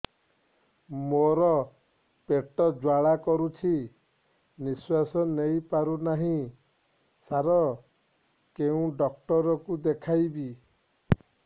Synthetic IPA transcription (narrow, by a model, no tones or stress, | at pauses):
moɾɔ | peʈɔd͡ʒwaɭakɔɾut͡ʃʰi | niswasɔnejpaɾunaɦĩ | saɾɔ | keũɖɔk̚ʈɔɾɔkud̪ekʰajbi